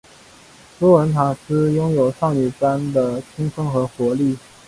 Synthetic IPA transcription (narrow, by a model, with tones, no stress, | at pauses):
lɔ˥wə˧˥nt̪ʰa˨˩sɹ̩˥jʊ˥ŋjo˨˩ʊʂɑ˥˩ŋy˨˩pa˥nd̪ə˨t͡ɕʰi˥ŋʂɤ˥ŋxɤ˧˥xwɔ˧˥li˥˩